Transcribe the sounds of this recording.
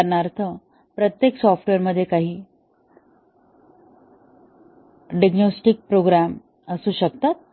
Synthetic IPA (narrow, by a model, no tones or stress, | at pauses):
ɾɳaɾt̪ʰə | pɾət̪jeksɔfʈʋeɾməd̪ʱːjekaɦiː | ɖiɡnosʈik̚pɾoɡɾam | əsuːɕəkt̪at̪̚